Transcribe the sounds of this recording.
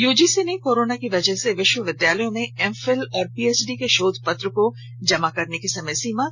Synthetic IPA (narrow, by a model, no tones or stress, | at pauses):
juːd͡ʒisenekoːɾoːnakiʋɐd͡ʒəɦseʋɪʃwəʋɪd̪jaːləjõmẽɛmfɛlɔːɾpiːeːt͡ʃɖikeʃoːd̪ʱpɐt̪ɾəko | d͡ʒɐmakɐɾnekisɐməjsiːmã